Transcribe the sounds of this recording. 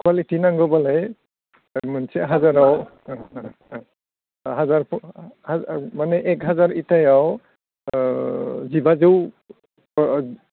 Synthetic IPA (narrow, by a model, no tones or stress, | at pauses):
kʰwalitinaŋɡɔbalaj | mansɛɦazaɹaw | ɦazaɹpʰhamanɛʔɛkɦazaɹitajaw | zibazew